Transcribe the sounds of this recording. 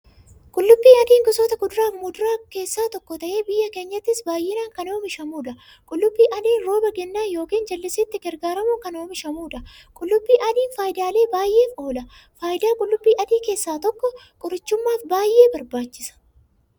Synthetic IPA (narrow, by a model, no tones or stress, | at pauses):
kʼʊlːʊbːiːɐd̪iːŋɡʊsoːt̪ɐɡʊd̪ʊɾaːfmʊd̪ʊɾaːke̞ːsːaːt̪ɔkːɔt̪ɐʔe̞ːbɪjːɐke̞ːɲːɐt̪ːɪsbaːjːɪnaːŋkɐnoːmɪʃɐmuːᶑɐ | kʼʊlːʊbːiːʔɐd̪iːnɾo̞ːbɐɡɛnːaːnjo̞ːkiːnd͡ʒɐlːɪsɪt̪ːɪɡɛɾɡaːɾɐmʊkɐno̞ːmɪʃɐmuːᶑɐ | kʼʊlːʊbːiːʔɐd̪iːnfaːjɪd̪aːle̞ːbaːjʔe̞ːfo̞ːlɐ | faːjɪd̪aːkʼʊlːʊbːiːʔɐd̪iːke̞ːsːaːt̪ɔkːɔ | kʼʊɾɪt͡ʃːʊmːaːfbaːjːe̞ːbɐɾbaːt͡ʃːɪsɐ̥